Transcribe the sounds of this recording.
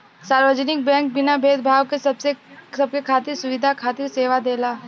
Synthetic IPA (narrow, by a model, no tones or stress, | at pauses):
saːɾʋəd͡ʒnɪk̚bɛ̃ːŋk̚bɪnabʱeːd̪bʱaːwkesɐbsesɐb̚kekʰaːt̪ɪɾsʊʋɪd̪ʱakʰaːt̪ɪɾseːʋad̪eːlaː